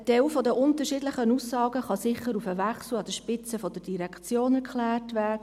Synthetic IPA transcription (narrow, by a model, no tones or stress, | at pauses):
tɛwfɔd̪əʔʊnt̪əʃiːdləχənusːɑːɡəχɑsɪχəɾufəʋæχsl̩ɑd̥̪əʃpɪt͡səfɔdəd̥iɾɛkt͡sjoːnɛɾkʰχlæːrtʋæːdə